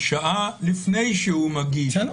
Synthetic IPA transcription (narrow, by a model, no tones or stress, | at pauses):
ʃaʔalifnejʃeumaɡiː